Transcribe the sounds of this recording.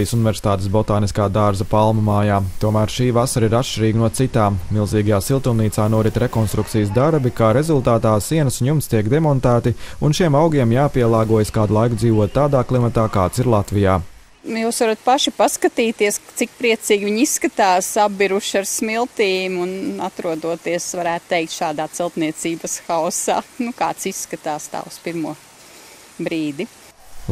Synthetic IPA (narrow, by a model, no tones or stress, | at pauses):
ijsunɪvʲɛɾsɪ̥t̪aːt̪esbɔt̪aːniskaːd̪aɾzɐpalˠmumaːjaːt̪uɔmæːɾʃiːʋasaɾiɾatʃt͡ʃiɾiːɡnuɔt̪sit̪aːmːilˠziːɡajaːsilˠt̪umniːt̪saːnuɔɾit̪ɾekɔnst̪ɾuk̚t̪ijəs̬d̪aɾbikaːɾezulˠt̪aːt̪aːsiɛnɐsunjumst̪iɛkd̪emɔnt̪æːt̪iunʃiɛmawɡiɛmjaːpiɛlˠaːɡuɔjəskaːd̪ulˠajkud̪ziːʋuɔt̪̚ːaːd̪aːklˠimat̪aːkaːt̪siɾlˠat̪vijaː | juːsʋaɾat̪̚paʃipaskat̪iːt̪iɛst̪sik̚pɾiɛt̪siːɡʲʋiɲisskat̪aːsabbiɾuʃaɾsmilˠt̪iːmunat̪ɾuɔd̪uɔt̪iɛsʋaɾæːt̪t̪ɛjk̚t̪ʃaːd̪aːt̪sɛlˠt̪niɛt̪siːbɐsxaɔsa̰ːnuka̰ːt̪sisːkat̪aːst̪a̰ːuspiɾmuɔ | bɾiːd̪i